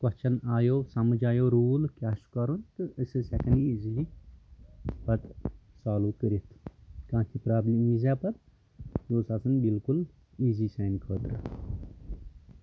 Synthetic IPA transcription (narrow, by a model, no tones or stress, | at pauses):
kɐt͡ʃʰɐnaːjoːsɐmɨd͡ʒaːjoːɾuːlkʲaːʃu̥kɐɾunt̪ɨəsɨsɛkɐniizili | pɐt̪saːluːkəɾit̪ʰkãːt̪ʰipɾaːblimiːzaːpɐt̪̚ | joːsaːsɐnbilkul | iːziːsɛːnkʰəːt̪ɾ